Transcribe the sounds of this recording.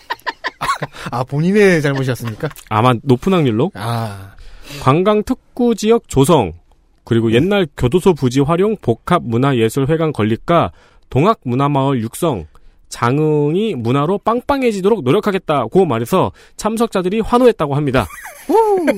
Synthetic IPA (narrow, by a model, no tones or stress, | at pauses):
apoɲinet͡ɕaɭmoɕ̬ʰiʌs͈ɯmɲik͈aa̰manopʰɯnɦaŋɲuɭːoa | kwaŋɡaŋtʰɯk̚k͈ud͡ʑijʌk̚t͡ɕosʰʌŋ | kɯɾiɡoje̞nːaɭkjodosʰopud͡ʑiɸwaɾjoŋpokʰap̚munaje̞sʰɯɭɸwe̞ɡankʌʎːik͈a | toŋɦak̚munamaʌɭjuk̚s͈ʌŋ | t͡ɕaŋɯŋimunaɾop͈aŋp͈aŋɦe̞d͡ʑidoɾok̚noɾjʌkʰaɡe̞t̚t͈aɡomaɾe̞sʰʌ | t͡ɕʰamsʰʌk̚t͡ɕ͈adɯɾiɸwanoɦet̚t͈aɡoɦamɲida̰